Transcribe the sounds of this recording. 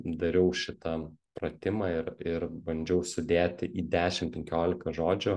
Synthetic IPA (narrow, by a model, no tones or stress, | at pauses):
d̪ɐɾʲɛʊʃʲɪt̪ɐpɾɐt̪ʲɪmɑɪɾɪɾbɐnʲd͡ʒʲɛʊsʊd̪ʲeːt̪ʲɪʔiːd̪ʲæːʃʲɪmpʲɛŋʲkʲoːlʲɪkɐʒoːd͡ʒʲʊ